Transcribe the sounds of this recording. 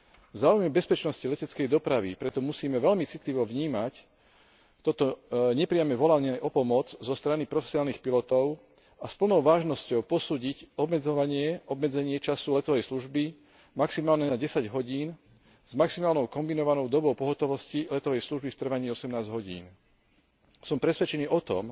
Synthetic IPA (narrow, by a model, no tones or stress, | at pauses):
vzaːujmɛbɛspɛt͡ʃnɔscilɛcɛt͡skɛjd̪ɔpɾaʋḭpɾɛt̪ɔmusiːmɛʋɛlmit͡sit̪liʋɔʋɲiːmac | t̪ɔt̪ɔɲɛpɾɪamɛʋɔlaɲɛʔɔpɔmʊɔd͡zzɔst̪ɾanipɾɔfɛ̥sinaːlnixpilɔt̪ɔʊ | aspl̩nɔʊʋaːʒnɔscɔʊpɔsuːɟicɔbmɛd͡zɔʋaɲɪɛʔɔbmɛd͡zɛɲɪɛt͡ʃasulɛt̪ɔʋɛjsluʒbi | maksimaːlɲɛnaɟɛsaɟɦɔɟiːn | z̥maksimaːlnɔʊkɔmbinɔʋanɔʊd̪ɔbɔʊpɔɦɔt̪ɔʋɔscilɛt̪ɔʋɛjsluʒbift̪r̩ʋaɲiːɔsɛmnaːzɦɔɟḭːn | sɔmpɾɛsʋɛt͡ʃɛniːʔɔt̪ɔ̰m